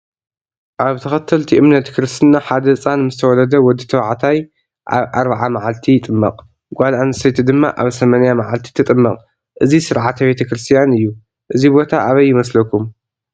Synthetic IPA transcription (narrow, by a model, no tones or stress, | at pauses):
ʔaβt̪ʰɐxɐt̪ʰːɐlt̪ʰiʔɨmnɐt̪kʰɨɾɨst̪ʰɨnaħad̪ɐt͡sʼanmɨzɨt̪ʰɐwɔlɐd̪ɐwɔd̪ɨt̪ʰɐwaʕt̪ʰaj | ʔa̰βʔaɾbaʕamaʕalt̪ʰijɪt̪ʼɨmːɐ̰qʼ | ɡʷalʔanɨsɐjt̪ʰd̪ɨmːa̰ʔa̰βsɐmanjamaʕalt̪ʰi̥t̪ʰɨt̪ʼɨmːɐqʼ | ʔɨzisɨɾʕat̪ʰɐbe̞t̪ʰɐkɾɨst̪ʰijanɨjːu | ʔɨzibo̞t̪ʰaʔaβɐjːɪmɐslɐkʰum